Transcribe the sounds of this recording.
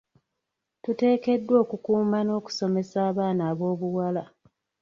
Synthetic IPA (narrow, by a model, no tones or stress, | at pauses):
tute̞ːke̞dːwo̞ːkukuːmano̞ːku̥so̞me̞saːβaːnaːβo̞ːβuwala